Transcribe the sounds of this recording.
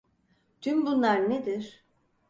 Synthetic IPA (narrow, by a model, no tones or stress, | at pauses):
d͡ʒynbunlˠaɾned̪iɾ̥